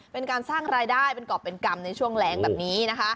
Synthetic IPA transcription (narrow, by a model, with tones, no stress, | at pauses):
pe˧nkaː˧nsaː˥˩ŋɾaː˧jdaː˥˩jpe˧nkɔː˨˩pːe˧nka˧mna˧jt͡ɕʰu˥˩əŋlɛː˦˥ŋbɛː˨˩p̚niː˦˥na˦˥kʰa˦˥ʔ